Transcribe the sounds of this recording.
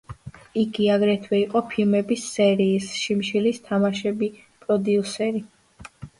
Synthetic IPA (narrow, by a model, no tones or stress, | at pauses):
iɡiaɡɾɛt̪ʰwɛiqʼɔpʰilmɛbisːɛɾiːsʃimʃilist̪ʰamaʃɛbi | pʼɾɔd̪iusɛɾi